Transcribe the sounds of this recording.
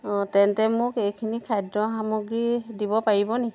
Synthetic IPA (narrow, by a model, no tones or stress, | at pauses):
tɛntɛmʊkejkʰinikʰajdɹɔɦamuɡɹidibɔpaɹibɔnɛ